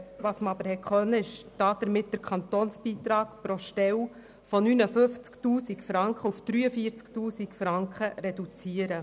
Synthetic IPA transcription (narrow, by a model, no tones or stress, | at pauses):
ʋɑsməɑbəɾhɛkχœnːəɪʃd̥ɑːd̥əɾmɪt̚d̥əɾkʰχɑnt̪oːnsb̥iːt̪ɾɑːkpɾoʃtɛw | fɔnynəfɵft͡sktuːsikfɾɑŋkχəufd̥ɾyːəfiəɾt͡sktuːsikfɾɑŋkχəɾɛdut͡siəɾə